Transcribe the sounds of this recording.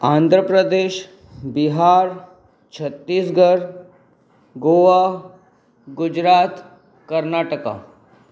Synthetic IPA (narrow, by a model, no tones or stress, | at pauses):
ãːnd̪ʱɾəpɾəd̪eːʃ | biɦaːɾ | t͡ʃʰət̪ːiːsɡəɾ | ɡoːʋa | ɡʊd͡ʒɾaːt̪ | kəɾnaːʈəka̰ː